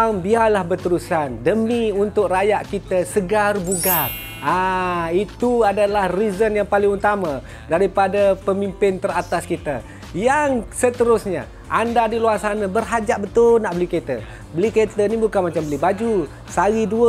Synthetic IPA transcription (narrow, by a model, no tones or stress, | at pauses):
mbialahbərt̪əɾusandəmiunt̪ʊkrajaʔkit̪əsəɡarbuɡar | ait̪uadalahrizənjaŋpalɪŋut̪amã | daɾipadapəmimpɪnt̪əɾat̪askit̪ə | jaŋsət̪əɾʊsɲa̰ | ʔandadiluarsanəbərɦad͡ʒaʔbət̪ʊlnaʔbəliket̪ə̰ | bəliket̪ənibukanmat͡ʃambəlibad͡ʒu | saɣiduə